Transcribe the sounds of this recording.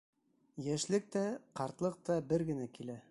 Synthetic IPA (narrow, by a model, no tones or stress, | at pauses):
jæʃlɘk̚t̪æqɑɾt̪lˠɤq̚t̪ɑbɘɾɡɘ̆nækilæ